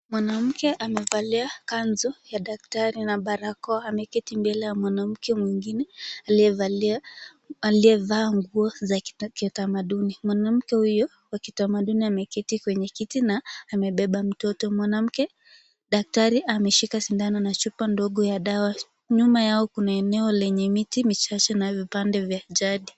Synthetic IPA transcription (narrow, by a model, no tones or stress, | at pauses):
mwanam̩kɛʔamɛvaliakanzɔjaɗak̚taɾinaɓaɾakɔamɛkɛtimbɛlɛjamwanam̩kɛmwiŋɡinɛaliɛvalia | aliɛvaːŋɡuɔzakiutamaɗunimwanam̩kɛhujɔ | wakitamaɗuniamɛkɛtikwɛɲɛkitinaːmɛɓɛɓam̩tɔtɔmwanam̩kɛ | ɗak̚taɾiʔamɛʃikasindananat͡ʃupandɔɠɔjaɗawa | ɲumajaɔkunaɛnɛɔlɛɲɛmitimit͡ʃat͡ʃɛnavipandɛvjaʄaɗi